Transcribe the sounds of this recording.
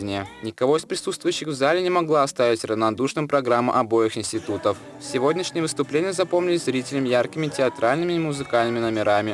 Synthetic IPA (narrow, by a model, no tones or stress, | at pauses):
ɪnʲɪjənʲɪkɐvo̞ɪspɾʲɪsut̪st̪vʊjʏɕːɪxvzalʲɪnʲɪmɐɡlˠaɐst̪avʲɪtʲrəvnɐd̪uʂnɨmpɾɐɡɾamːə̰ʔɐbo̞jɪxɪnsʲtʲɪt̪ut̪əf | sʲɪvo̞dʲnʲɪʂnʲɪjəvɨst̪ʊplʲenʲɪjəzɐpo̞mnʲɪlʲɪsʲzɾʲitʲɪlʲɪmjarkʲɪmʲɪtʲɪɐt̪ɾalʲnɨmʲɪmʊzɨkalʲnɨmʲɪnəmʲɪɾamʲɪ